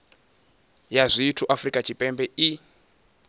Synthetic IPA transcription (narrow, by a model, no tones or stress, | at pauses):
jazʷiːtʰuʔafrikʼat͡ʃʰipʼɛmbɛi